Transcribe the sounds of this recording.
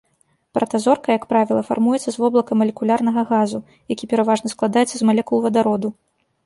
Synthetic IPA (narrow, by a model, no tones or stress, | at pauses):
pɾʔɐt̪azɔrkɐjɐkpɾavʲilˠɐfa̰rmujɛt̪sːɐzvɔblˠɐkɐmɐlʲɛkulʲarnɐɣɐɣazu | jakʲipʲɛɾavaʐnɐsklˠad̪ajɛt̪sɐzmalʲɛkulˠvɐd̪aɾɔd̪u